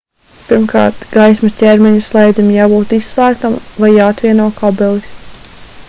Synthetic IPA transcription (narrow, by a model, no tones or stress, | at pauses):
piɾmkɑ̰ːɾt̪ɡ̥ajsmuscʲɛɾmɛɲuslˠɛjd̪zʲimjaːbuːt̪isːlˠæːk̚t̪amvajːaːat̪vʲiɛnuɔkʰɔbɛlˠis